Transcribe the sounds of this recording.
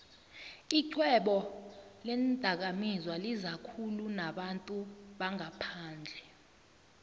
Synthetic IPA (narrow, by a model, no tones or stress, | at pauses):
iǀʰwɛɓɔlɛndʼʱak̬amizwalizakʰulunaɓantʼuɓaŋʱapʰaːnd͡ɮʱɛ